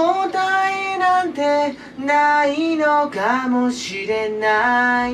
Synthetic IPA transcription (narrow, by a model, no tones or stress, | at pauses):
ot̪ainãnt̪e̞ | nainokamoɕiɾe̞na